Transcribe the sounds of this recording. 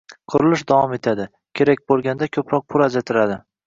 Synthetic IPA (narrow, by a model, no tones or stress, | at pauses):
qʰʊɾɪlɪʃd̪avɒme̞t̪ʰad̪ɪ | kʲʰe̞ɾak̚ʲbolˠɡʲand̪akʲʰɵpɾɒq̚pʰʊlˠad͡ʒat̪ʰɪɾad̪ɪ